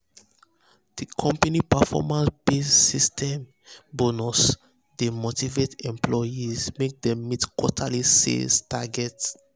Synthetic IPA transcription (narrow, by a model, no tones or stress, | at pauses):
d̥ikʰɔ̃mpanipafɔ̰mãnsbesːistʰɛ̃m | bonɔs | demotivetɛ̃mplɔjizmek̚dɛ̃mːitkwɔ̰tʰalisḛstaɡɛts